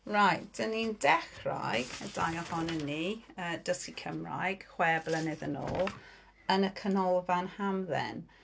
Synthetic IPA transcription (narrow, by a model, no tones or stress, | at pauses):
ɹajtd̥ənindɛχra̰jɡəd̥a̰jɔhɔnənːiəːdəsikʰəmra̰jɡ̥χwɛblˠənɪðəno̰ːlˠ | ənəkʰənɔlˠvanhamðɛ̰n